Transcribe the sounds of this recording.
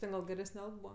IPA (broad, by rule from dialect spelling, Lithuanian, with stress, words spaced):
ˈtʲɛn ɡɐlˠ ɡʲɛˈrʲæːsʲnʲɛ ˈɐlˠk ˈbuːʋɐ